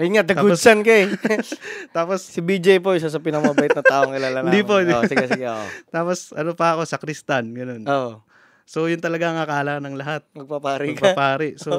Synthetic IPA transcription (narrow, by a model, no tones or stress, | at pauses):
ʔɐŋat̪̚d̪ɐɡ̪usɐnkɐɛ | t̪aːpossibid͡ʒejp̬oɪʃ̬as̬ɐpɪnɐkɐmɐbɐʔɪt̪ɐaːʔoŋkɪlalamd̪iposɪɡɪsɡoʔot̪aːpo̞sʔɐnopɐɐko̞sɐkɾist̪ɐnɡɐno̞nːʔo | so̞jʊnt̪ɐlɐɡaŋakɐʔaːlaknɐŋlɐɦat̪̚mɐɡ̚pɐpaːɾɪɐɡkpapaːɾɪʔso